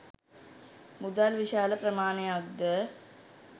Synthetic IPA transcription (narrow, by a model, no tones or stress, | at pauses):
mud̪alʋiʃaːləprɾəmaːnejaɡd̪ə